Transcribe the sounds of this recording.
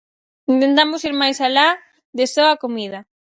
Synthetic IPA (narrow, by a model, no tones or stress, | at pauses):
int̪ent̪amosiɾmajsala | d̪esoakomiða